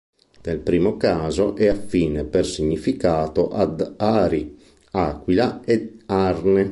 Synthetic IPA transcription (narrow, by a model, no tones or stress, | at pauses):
d̪̥elpɾiːmokaːzoʔɛafːiːnepersiɲːifikaːt̪oʔad̪aːɾi | aːkwilaearne